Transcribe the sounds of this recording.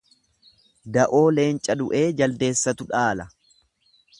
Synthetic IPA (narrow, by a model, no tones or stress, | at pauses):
d̪ɐʔo̞ːle̞ːnt͡ʃʼɐd̪ʊʔe̞ːd͡ʒɐld̪e̞ːsːɐt̪ʊᶑaːlɐ